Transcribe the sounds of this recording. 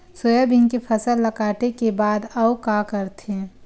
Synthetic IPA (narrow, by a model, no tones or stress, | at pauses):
sojəbɪŋkepʰɐsəlːɐkaːʈekebaːd̪ɐwkakəɾt̪ʰẽ